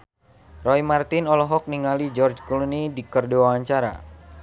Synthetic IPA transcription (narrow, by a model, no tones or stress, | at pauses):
rɔimart̪ɪnɔlɔɦɔk̚niŋalid͡ʒɔrd͡ʒkulunidikərdoaaɲt͡ʃaɾa̰